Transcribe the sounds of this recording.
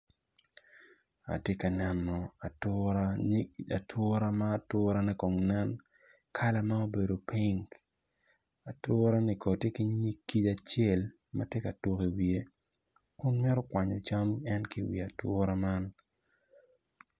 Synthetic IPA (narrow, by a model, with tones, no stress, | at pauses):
a̰˨tje˦ka˨nɛ˨mːɔ˨a˨tʊ˦ɾaa˨tʰʊ˦ɾa˦maː˦tʊ˦ɾa˦nɛ˦kɔ˨ŋnɛ˦n | kʰa˦la˦ma˦o˦be˨do˨pi˦ŋɡ | a˨tʊ˦ɾa˦ni˨kɔ˨te˦kɪ˦ɲi˦kːi˦d͡ʒa˨t͡ʃe˦˨l | ma̰˦tje˦ka˨to˦ki˨wie˦ | kʊ˦nmɪ˦ɾɔ˦kwa˨ɲɔ˨t͡ʃa˦mɛ˦nkɪ˦wḭ˨a˨twʊ˦ɾa˦ma˦n